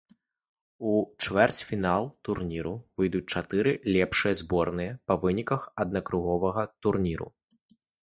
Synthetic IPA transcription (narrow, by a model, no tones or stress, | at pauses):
ut͡ʂvɛrt͡sʲfʲinalˠt̪urnʲiɾuvɨjd̪ut͡sʲt͡ʂat̪ɨɾɨlʲɛpʂɨjɐzbɔrnɨjɐpɐvɨnʲikɐxɐd̪̚nɐkɾuɣɔvɐɣɐt̪urnʲiɾṵ